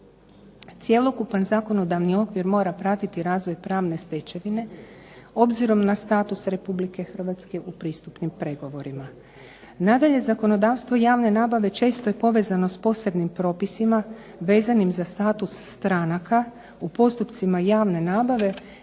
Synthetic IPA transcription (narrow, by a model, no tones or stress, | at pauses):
t̪sje̞lˠo̞kupanzaːko̞no̞d̪aʋnio̞kʋiɾmo̞ːɾapɾat̪it̪iɾaːzʋo̞jpɾaːʋne̞st̪e̞t͡ɕe̞ʋine̞ | o̞bziɾo̞mnast̪aːt̪usɾe̞publike̞xr̩ʋat̪ske̞ʔupɾiːst̪upnimpɾe̞ɡo̞ʋo̞ɾima | nad̪aʎe̞zako̞no̞d̪aːʋst̪ʋo̞jaːʋne̞naːbaʋe̞t͡ʃe̞ːst̪oje̞po̞ʋe̞zano̞spo̞se̞bnimpɾo̞ːpisima | ʋe̞ːzanimzast̪aːt̪usːt̪ɾanaka | upo̞st̪upt̪simajaːʋne̞naːbaʋe̞